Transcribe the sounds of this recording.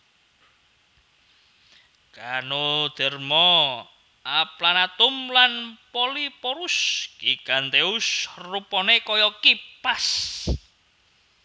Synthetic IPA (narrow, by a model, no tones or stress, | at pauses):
kanod̪̥ɛ̤rmɔ | aplanat̪ʊmlanpɔlipɔɾuskikant̪eusrupɔnekɔjɔkipas